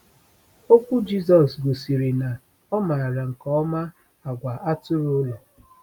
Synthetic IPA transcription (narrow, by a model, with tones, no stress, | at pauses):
o˦kʷu˦d͡ʒi˦zɔ˨sɡo˨si˨ɾi˨na˨ | ɔ˦ma˨ɾa˨ŋ̩˨kɔ˦ɔ˦ma˦ | a˨ɡʷa˨ʔa˦tʊ˦ɾo˦le˨